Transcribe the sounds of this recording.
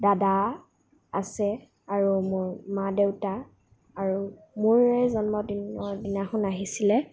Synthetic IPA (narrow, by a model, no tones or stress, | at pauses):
dada | a̰sɛ | aɹumʊɹmadewtaː | ɹu | mʊɹɛzɔnmɔdinɔdinaxʊnaɦisilɛ